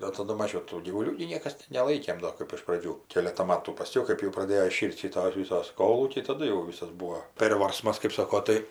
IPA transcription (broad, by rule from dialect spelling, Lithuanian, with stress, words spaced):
oː tɐˈdʊ ˈmɑːʒʲɛʊ ˈtuː ɡʲiːʋʊˈlʲuː ɡʲɪ ˈnʲiɛkɐs nʲɛˈlˠɐɪkʲeːm ˈdoː kɜp ɪʃ prɐˈd͡ʒʲuː ˈkʲeːlʲɛtɐ ˈmɑːtuː pɐˈsʲkʲɛʊ ˈkɜp jɛʊ prɐˈdʲeːjoː ɪˈʃʲiːrʲtʲ ˈʃʲɪtoːs ˈʋʲɪsoːs ˈkoːlˠuːkʲɛɪ tɐˈdʊ jɛʊ ˈʋʲɪsɐs ˈbuːoː ˈpʲeːrʋɐrsmɐs kɜp ˈsɑːkoː ˈtɐɪ